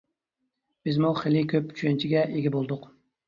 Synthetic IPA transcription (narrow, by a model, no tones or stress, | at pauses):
b̥ɪzmuχelikʲʰøpt͡ʃʰyʃɛnt͡ʃʰiɡʲɛʔeɡʲɛbolˠd̪ʊq